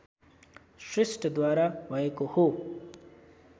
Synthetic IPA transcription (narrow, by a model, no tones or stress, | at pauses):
ʃɾɪsʈd̪waːɾaʋajekoho